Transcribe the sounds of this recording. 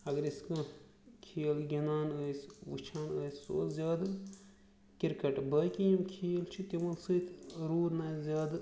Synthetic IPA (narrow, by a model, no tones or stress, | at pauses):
ɐɡɐɾiskɨ | kʰeːlɡʲinaːnəːsʋut͡ʃʰaːnəːsso̰ːlzʲaːd̪ɨ | kiɾkɐʈbɐːkijimkʰiːlt͡ʃʰit̪imɐlsɨt̪ʰɾuːd̪nɐːzʲjaːd̪